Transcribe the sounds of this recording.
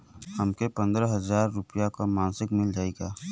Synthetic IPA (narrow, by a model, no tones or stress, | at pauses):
hɐmkepɐ̃nd̪ɾəɦɐzaːɾːʊpəjakomãːnsɪkmɪld͡ʒaːeɡaː